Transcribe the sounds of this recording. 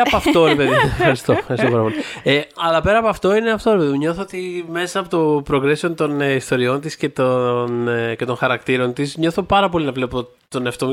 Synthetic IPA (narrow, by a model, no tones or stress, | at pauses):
ɐɐft̪o̞ɾepeðiefxɐɾist̪oɐɾsopɐɾɐpo̞lieɐlɐpe̞ɾɐːpoɐft̪o̞ineɐft̪o̞ɾepe̞ðiɲo̞θoot̪ime̞sɐpo̞t̪o̞pɾoɡɾeseont̪o̞nist̪o̞ɾio̞nt̪isce̞t̪once̞t̪onxɐɾɐkt̪iɾo̞nt̪isɲo̞θo̞pɐɾɐpo̞linɐvle̞po̞ | t̪o̞neɐft̪o